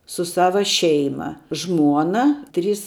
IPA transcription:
sʊ ˈsɑːʋɐ ˈʃʲɛɪmɐ ˈʒmuɔnɐ ˈtʲrʲiːs

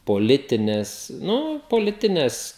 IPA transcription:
poːˈlʲɪtʲɪnʲeːs ˈnʊ poːˈlʲɪtʲɪnʲeːs

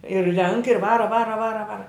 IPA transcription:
ɪr rʲɛŋk ɪr ˈʋɑːrɐ ˈʋɑːrɐ ˈʋɑːrɐ ˈʋɑːrɐ

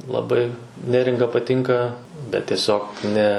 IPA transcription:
lˠɐˈbɐɪ ˈnʲæːrʲɪŋɡɐ pɐˈtʲɪŋkɐ bʲɛt tʲiɛˈsʲoːk ˈnʲɛ

